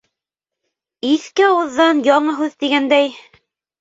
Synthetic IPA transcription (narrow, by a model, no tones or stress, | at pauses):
iθkɘɑwɤ̆ðːɑnjɑɴɤɦʉðt̪iɡænd̪æj